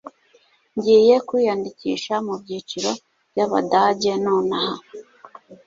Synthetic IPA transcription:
ɲɟiːje̞kwiːjandicḭːʃamubɟiːt͡ʃiɾo̞ | bjaβa̰daɟe̞noːnaha

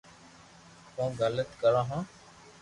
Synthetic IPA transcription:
põːɡələt̪kəɽãːɦãː

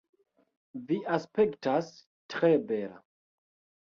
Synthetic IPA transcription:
viʔaspektas | tɾebeɾa̰

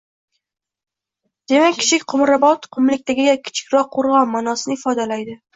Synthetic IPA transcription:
d̪̥e̞makʲʰːɪ̥t͡ʃʰɪkʲqʰʊmɾabɒt̪qʰʊmlɪkʲt̪aɡʲɪɡʲakʲʰɪ̥t͡ʃʰɪ̥kʲɾɒqʰːoɾʁɒnmanɒsɪnɪɪfɒd̪alajd̪ɪ

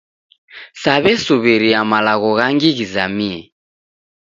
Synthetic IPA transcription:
saβɛsuβiɾiamalaɣɔɣaŋɡiɣizamiɛ

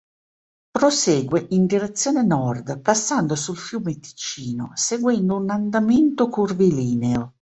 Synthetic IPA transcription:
pɾoseːɡweʔind̪iɾet̪sːjoːnenɔrd̪pasːand̪osulfjuːmet̪i̥t͡ʃiːnoseɡwɛnd̪ounand̪ament̪okurviliːneo

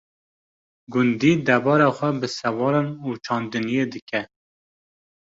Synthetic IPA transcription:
ɡʊnd̪iːd̪ɛbɑːɾɑxʷɛbɨsɛwɑːɾɑnut͡ʃʰɑːnd̪ɨnijeːd̪ɨkʰɛ

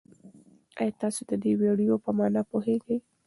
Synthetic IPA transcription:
a̰jɑt̪ɑsod̪əd̪eweɽijopəmɑnɑpoheɡəj

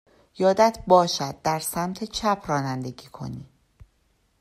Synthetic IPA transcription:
jɒːd̪æt̪ʰbɒːʃæd̪̚ːæɾsæmt̪ʰet͡ʃʰæpʰrɒːnænd̪e̞ɟiːkʰo̞̰niː

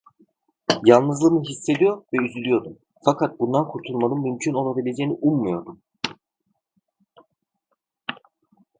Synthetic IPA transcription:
jalˠnɯzlˠɯmɯɦisːe̞d̪ijo̞ɾvɛyzylʲyjo̞ɾd̪um | fakʰat̪̚bund̪ankʰuɾt̪ʰulˠmanɯnmymcʰyno̞lˠabilʲe̞d͡ʒejiniʔummujo̞ɾd̪um

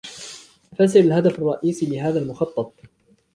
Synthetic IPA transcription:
fas̬ɪɾalɦad̪afɑrˤːɑʔiːsiːlɪɦaːðaːlmʊxɑt̪ˤːɑt̪̚ˤ

